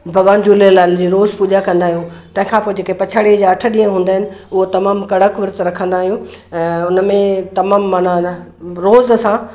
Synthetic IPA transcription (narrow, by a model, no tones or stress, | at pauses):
bʱɐɠaːnd͡ʑuːlelaːld͡ʑiːɾoːzpuːʄakɐ̃nd̪aːɦijũː | t̪ɐ̃ɦɪ̃kʰãːpoːed͡ʑeːkepɐt͡ɕʰaːɽid͡ʑaːɐʈʰəɗĩːə̃ɦũːnd̪aːɦɪnɪ̆ʊɦot̪ɐmaːmkɐɽəkʋɪɾt̪ɾɐkʰə̃nd̪aːɦijũʊnəmẽt̪ɐmaːmːaːna | ɾoːzɐsã